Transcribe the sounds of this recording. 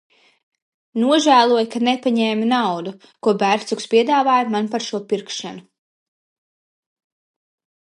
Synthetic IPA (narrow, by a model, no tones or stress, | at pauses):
nuɔʒæːlˠuɔjkanɛpaɲɛːminawd̪u | kuɔbæɾt̪sukspʲiɛd̪aːvaːjamanpaɾʃuɔpiɾkʃanu